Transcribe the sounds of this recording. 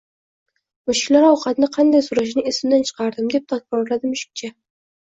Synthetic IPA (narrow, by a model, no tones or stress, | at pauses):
mʊʃɪ̥kʲlaɾɒwqʰɑt̪nɪqʰɑnd̪ajsʊɾaʃ̬nɪɪsmd̪ant͡ʃʰɨ̥qʰɑɾd̪ɪmd̪e̞p̚t̪ʰakbɒɾlad̪ɪmʊʃɪ̥k̚ʲt͡ʃʰa